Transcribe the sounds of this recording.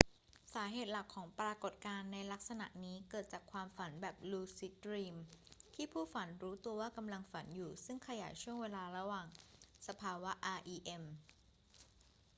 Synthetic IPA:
saː˩˦ɦeː˨˩t̪̚la˨˩kʰːɔː˩˦ŋpɾaː˧ko˨˩t̪̚kaː˧nːa˧jla˦˥k̚sa˧na̰˨˩ʔniː˦˥kɤː˨˩t̪̚t͡ɕaː˨˩kʰwaː˧mfa˩˦nbɛː˨˩p̚luː˧si˦˥t̪̚ɾiː˧mt̪ʰiː˥˩pʰuː˥˩fa˩˦nɾuː˦˥t̪u˧ɐwaː˥˩ka˧mla˧ŋfa˩˦njuː˨˩sɯ˥˩ŋkʰa˧jaː˩˦jt͡ɕʰu˥˩əŋweː˧laː˧ɾa˧waː˨˩ŋsa˧pʰaː˧wa˦˥ʔaː˧ʔiː˧ʔe˧m

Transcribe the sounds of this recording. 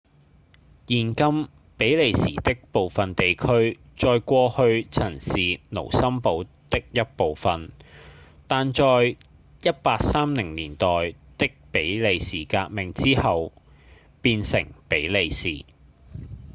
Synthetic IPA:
jiː˨˩nkɐ˥m | pe˨˥jle˨˧jsiː˨˩t̪ɪ˥k̚po˨wfɐ˨nt̪e˨jkʰɵ˥ɥ | t͡sɔː˧jkʷɔː˧hɵ˧ɥt͡sʰɐ˨˩nsiː˨no̰˨˩wsɐ˥mpo˨˧˥w | t̪ɪ˥k̚jɐ˥t̚po˨˧wfɐ˨n | t̪aː˨nt͡ʃɔː˧j | jɐ˥t̚paː˧k̚saː˥mlɪ˨˩ŋliː˨˩nt̪ɔː˨j | t̪ɪ˥k̚pe˨˥jle˨jsiː˨˩kaː˧k̚mɪ˨ŋt͡siː˥hɐ˨w | piː˧nsɪ̰˨˩ŋpe˨˥jle˨˧jsḭː˨˩

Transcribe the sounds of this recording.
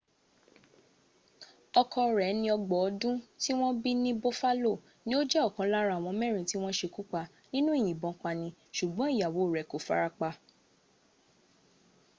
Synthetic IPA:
ɔ˧kʰɔ˧ɾɛ˨˦nĩ˧ɔ˧ɡ͡bɔ˨ɔ˨˧˦dũ˦ti˦w̃ɔ̃˦bi˦nĩ˦bo˦fa˦lo˦˨ | nĩ˦o˦d͡ʒɛ˦ɔ˦˨kã˨˦la˦ɾa˦˨w̃ɔ̃˧mɛ̃˦˨ɾ̃ĩ˨ti˦w̃ɔ̃˦ʃe˧ku˦k͡pa˧ | nĩ˦nũ˦i˦˨j̃ĩ˨bɔ̃˨k͡pa˧nĩ˧ʃu˨ɡ͡bɔ̃˨˦i˦˨ja˨wo˨˦˨ɾɛ˨˦ko˨fa̰˦ɾa˧k͡pa˧

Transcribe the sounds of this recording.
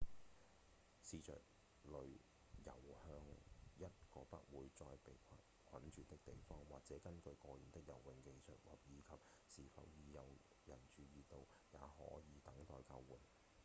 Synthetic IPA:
siː˨˧sœ̰ː˨k̚ | lɵ˨˧ɥ | jɐ˨˩whœː˧ŋjɐ˥t̚kɔː˧pɐ˥k̚wuː˨˧jt͡sɔː˧jpe˨jkʰɐ˨ | kʰɐ˨˥nt͡ʃyː˨˧t̪ɪ˥k̚t̪e˨˩jfɔː˥ŋwaː˨k̚t͡sɛː˨˥kɐ˥nkɵ˧ɥkɔː˧jyː˨˩nt̪ɪ˥k̚jɐ̰˨˩wwɪ˨ŋke˧jsɵ̰˨t̚waː˨˩p̚jiː˨˧kʰɐ˨p̚ | siː˨˩fɐ̰˨˧wjiː˨˧jɐ˨˧w | jɐ˨˩nt͡ʃyː˨˧jiː˨t̪o˧w | ja̰ː˨˧hɔ̰ː˨˥jiː˨˧t̪ɐ˨˥ŋt̪ɔː˧jkɐ̰˧wwuː˨˩n

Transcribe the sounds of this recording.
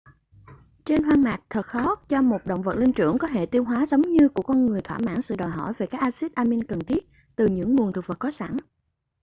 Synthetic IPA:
t͡ɕe˧nɦwaː˧ŋmaː˨˩k̚t̪ʰə˨˩t̚xɔ˦˥t̚t͡ɕɔ˧mo˨˩t̚ɗə̰˧˨wŋ͡mvə̰˨˩t̚li˧ŋt͡ɕɨ̰˧˩əŋkɔ˨˦tḛ˧˨t̪i˧əwɦwaː˨˦zə˨˦wŋ͡mɲɨ˧ku˧˩əkɔ˧nŋɨ˨˩əjt̪ʰwaː˧˩ma̰ː˧˥ŋsɨ̰˧˨ɗɔ˨˩jɦɔ̰˧˩jve˨˩kaː˦˥k̚ʔaː˧si˦˥t̚ʔaː˧mi˧nkə˨˩nt̪ʰi˦˥ət̚ | t̪ɨ˨˩ɲɨ̰˧˥ŋːu˨˩ənt̪ʰɨ˨˩və˨˩kɔ˨˦sa̰˧˩n

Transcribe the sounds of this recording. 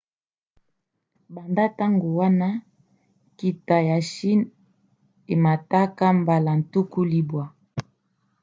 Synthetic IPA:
ba˨nda˦ta˦ŋɡo˨wa˦na˦ | ki˨ta˨ja˨ʃi˦n | e˨ma˨ta˦ka˦mba˨la˨n̩˨tu˦ku˦li˦bwa˨

